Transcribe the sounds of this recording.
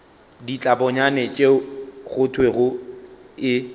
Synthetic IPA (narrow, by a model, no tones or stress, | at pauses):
dit͡ɬʼabɔɲanɛt͡ʃʼeɣʊtʰweɣʊ | ɪ